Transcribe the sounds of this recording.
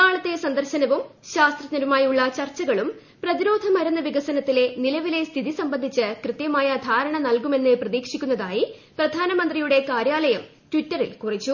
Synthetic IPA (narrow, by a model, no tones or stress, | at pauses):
aːɭɐt̪ːe̞sɐnd̪ɐrɕɐnɐʋumɕaːst̪rɐt̪nɐɾumaːjuɭːɐt͡ɕɐrt͡ɕːɐɣɐɭum | prɐðiɾo̞ːd̪ʱɐmɐɾunːɐʋiɡɐsɐnɐt̪ːile̞nilɐʋile̞st̪ʰiðisɐmbɐnd̪ʱit͡ɕːɨkrɨt̪jɐmaːjɐd̪ʱaːɾɐɳɐnɐlkume̞nːɨprɐðiːkʂikʲːunːɐðaːjiprɐd̪ʱaːnɐmɐnd̪rijuɽe̞kaːɾjaːlɐjɐm | tʋitːɐrḭlkurit͡ɕːu